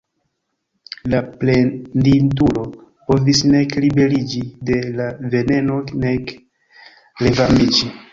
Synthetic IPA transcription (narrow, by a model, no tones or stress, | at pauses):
laplendint̬ulo̞po̞visne̞klibe̞ɾid͡ʒide̞lave̞ne̞no̞kne̞k | le̞vamid͡ʒi